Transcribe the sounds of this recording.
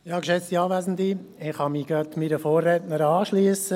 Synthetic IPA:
jɑːkʃɛt͡st̪iɑːʋæːzn̩diɪχhɑmiɡ̥ɑt̪miɾəfoːrːɛːtnəɾɑːʃlyːəsə

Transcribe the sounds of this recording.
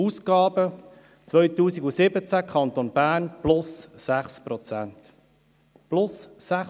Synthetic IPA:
uːskɑːbə | t͡sʋœɥtuːsiɡusɪbət͡sækχɑnt̪onb̥æːnplʊsːæχspɾɔt͡sænt̪ | plʊsːæχ

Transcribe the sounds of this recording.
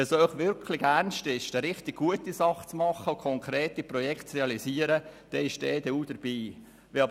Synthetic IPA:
ɛsœʏχʋɪɾkʰlɪɡærnʃtɪʃd̥ɛɾɪχtɪɡ̥̚ɡuətisɑχt͡smɑχəʊkʰɔŋkɾeːtiprɔjɛktt͡sreɑliziəɾəd̥ɛɪʃd̥ɛːd̪ɛuːd̥əɾb̥iː | ʋɛɑb

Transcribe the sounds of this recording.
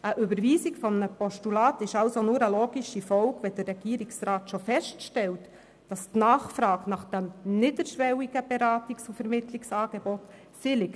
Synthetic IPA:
ʔəʔʏbəɾʋiːsikfɔmnəpɔʃtulɑːtɪʃɑlsonuːɾəloːɡiʃifɔlɡʋɛd̥əɾɾɛɡ̥iːɾiksɾɑːtʃofɛʃtʃtɛlt | d̥ɑstnɑːχfɾɑːɡnɑχd̥æmnɪdəɾʃʋɛwiɡ̥əb̥ɛɾɑːtiksufɛɾmɪtliksɑːɡ̥ebɔt | sɪlɪk

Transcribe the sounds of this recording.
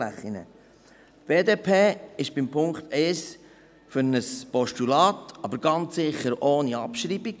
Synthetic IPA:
æ̰χːinə̰ | b̥eːdeːpʰeːɪʃb̥ɪmpʰʊŋkt̪ɛɪs | fʏɾnəspɔʃtulɑːtɑbəɾɡɑnt͡sːɪχəɾoːniɑ̰pʃɾiːbiɡ̥

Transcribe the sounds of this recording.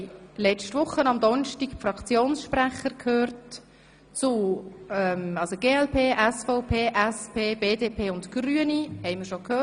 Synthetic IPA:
lɛt͡ʃtvʊχːənɑmdɔnʃtiɡfrɑkt͡sjoːnsʃpræχəɾkʰhøːrt | t͡sʊɛmɑlsoɡeːɛlpʰeːʔɛsfɔʊpʰeːʔɛspʰeːb̥eːdeːpʰeːʊntɡ̥ryənihɛɪmɪɾʃokhøː

